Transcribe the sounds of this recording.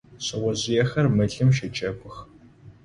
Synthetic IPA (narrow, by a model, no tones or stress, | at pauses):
ɕɐwɐʑɪjɛxɐrmɨɮɨmʃɐt͡ʃʼɐkʷʼʊx